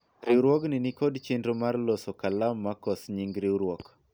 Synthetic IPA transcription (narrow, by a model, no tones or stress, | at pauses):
ɾɪɾwɔknɪnɪkɔdt͡ʃendomarlosokalamːakɔsɲiŋɡɾɪɾwɔk